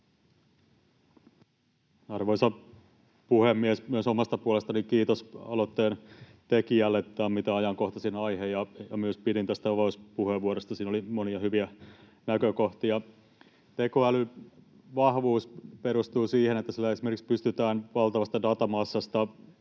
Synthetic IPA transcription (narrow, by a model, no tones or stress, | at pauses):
ɑrʋojsɑ | puhemːiesmyəsomɑst̪ɑpuolest̪ɑnikiːt̪osɑ̰lot̪ːeːnt̪ekiælːet̪ːæmit̪æɑjɑŋko̞ht̪ɑsinɑjhejɑjɑmyøspiɾint̪æst̪æoʋoispuheʋuoɾest̪ɑsiːnolimoniɑhyʋiæ | nækøko̞ht̪iɑ | t̪ekoæly | ʋɑhʋuːspeɾust̪uːsiːhenet̪ːæsilːæesimerkikspyst̪yt̪æːnʋɑlˠt̪ɑʋɑst̪ɑdɑt̪ɑmɑsːɑst̪ɑ